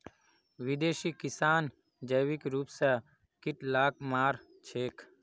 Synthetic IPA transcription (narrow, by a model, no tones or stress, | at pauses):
ʋid̪eːʃiːkɪsaːn | d͡ʒəjʋikɾuːpsɛ | kɪʈlaːkmaːɾ | t͡ʃʰeːk